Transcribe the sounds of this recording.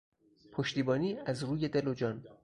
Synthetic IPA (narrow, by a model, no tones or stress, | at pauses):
pʰoʃt̪iːbɒːniːʔæzɾuːje̞d̪elod͡ʒɒːn